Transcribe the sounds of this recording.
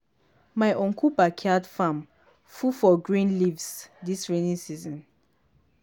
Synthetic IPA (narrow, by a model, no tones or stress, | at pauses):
maɪʔɔ̃ŋkʰubakʰiadfãm | fufɔɡɹĩnlivsdisɹenĩsizɔ̃n